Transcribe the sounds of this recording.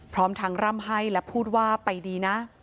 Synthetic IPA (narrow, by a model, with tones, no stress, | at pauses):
pʰɾɔː˦˥mt̪ʰa˦˧˥ŋɾa˥˩˨mɦa˥˩jlɛ˦˥pʰuː˥˩t̪̚waː˥˩pa˧jdiː˧na˦˥